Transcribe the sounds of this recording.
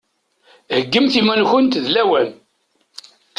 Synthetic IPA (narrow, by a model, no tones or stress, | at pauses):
həɡːəmθimænçənt̪ðlæwæn